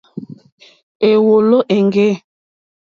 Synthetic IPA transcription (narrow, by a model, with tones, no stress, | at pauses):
e˨wo˨lo˦ʔe˨ŋɡe˦